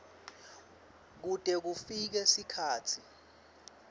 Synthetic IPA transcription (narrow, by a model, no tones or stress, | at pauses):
k̬utʼɛk̬ufik̬ɛsikʰaːt͡sʰi